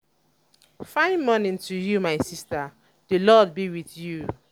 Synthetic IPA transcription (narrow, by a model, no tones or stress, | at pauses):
fãɪ̃nmɔ̃nĩntujumaɪsistə | dulɔd̚biwiθju